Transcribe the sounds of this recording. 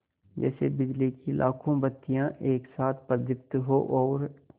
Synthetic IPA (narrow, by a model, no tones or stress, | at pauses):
d͡ʒɛ̰ːsebɪd͡ʒlikilʔa̰ːkʰõbɐt̪ːijãʔeːksaːt̪ʰpəɾd̪ɪp̚t̪ɦoʔɔːɾ